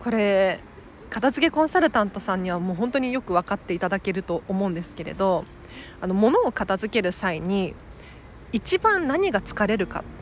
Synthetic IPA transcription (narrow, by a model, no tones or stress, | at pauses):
ko̞ɾe̞ | kat̪azɨke̞kõ̞ɰ̃saɾɯ̟t̪ãnt̪o̞sãɲ̟ːiβ̞amo̞ːɦõ̞nt̪o̞ɲ̟ijo̞kɯ̟β̞akat̪ːe̞it̪ad̪ake̞ɾɯ̟t̪o̞ʔomo̞ɯ̃nd̪e̞sɨ̥ke̞ɾe̞̰d̪o̞ | ano̞mo̞no̞ːkat̪azɨke̞ɾɯ̟saiɲ̟iː | t͡ɕibãnnaɲ̟iɡat͡sɨ̥kaɾe̞ɾɯ̟ka̰